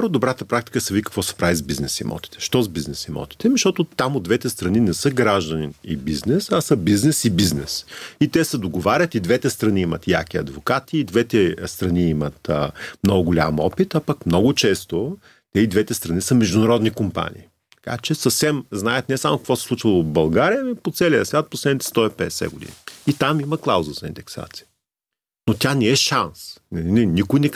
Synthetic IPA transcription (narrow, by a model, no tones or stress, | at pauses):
ɾod̪obɾat̪əpɾakt̪i̥kəsɐvikə̥kvɔsɛ̥pɾavizbiznɛsḭmɔ̰t̪i̥t̪ɛ̥ʃt̪ɔzbiznɛsimɔ̰t̪i̥t̪ɛnʃt̪ɔt̪ʊt̪amod̪d̪vɛt̪ɛst̪ɾɐninɛsɤɡɾaʒd̪ɐninibiznɛsɐsəbiznɛsibiznɛ̰sit̪ɛsɛd̪oɡovaɾʲət̪id̪vɛt̪ɛst̪ɾɐniimɐt̪ja̰kiɐ̰d̪vokat̪iːd̪vɛt̪ɛst̪ɾɐniimət̪mnɔɡʊɡolʲa̰mɔpit̪apakmnɔɡʊt͡ʃɛst̪o | t̪ɛid̪vɛt̪ɛst̪ɾɐnisɐmɛʒd̪ʊnɐɾɔd̪nikompa̰nʲḭː | t̪ɐ̥ka̰t͡ʃɛsɐfsɛmznaət̪nɛsamokɐkvɔsɛ̥slˠut͡ʃəlˠobɐlˠɡaɾijəɛpot̪sɛlʲiəsvʲjat̪̚poslɛd̪nit̪ɛst̪ɔɛpɛ̰ɛsɛ̰ɡʊd̪ḭniit̪amiməklˠawzəzɐind̪ɛksa̰t̪si̥ə | not̪ʲjanɛɛʃansnɛninikojnɛk